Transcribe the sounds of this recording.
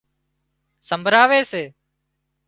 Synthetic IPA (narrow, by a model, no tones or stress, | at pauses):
səmbʱɾaːʋeːseː